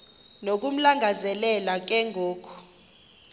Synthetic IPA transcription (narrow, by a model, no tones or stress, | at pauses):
nok̬um̩laŋɡʱazɛlɛlak̬ɛŋʱoːkʰu̥